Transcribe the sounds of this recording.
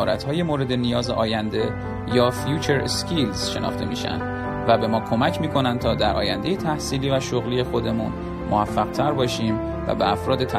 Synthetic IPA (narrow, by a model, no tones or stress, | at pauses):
ɒːɾæ̰t̪hɒːje̞moːɾe̞d̪e̞nijɒːzeʔɒːjænd̪e̞ | jɒːfjuːt͡ʃʰeɾskʰilz̥ʃe̞nɒ̰ːxt̪e̞̰miːʃæ̰nd̪̥ | væbe̞mɒːkʰo̞mæcʰmiːkʰo̞næn̚t̪ʰɒːd̪æɾʔɒ̰ːjænd̪e̞jet̪ʰæhsiːliːvæʃoɣliːje̞xod̪e̞mṵn | mʔoæfːæɣ̥̚t̪ʰæɾbɒːʃiːm | væ̰beæfɾɒːd̪e̞t̪ʰæ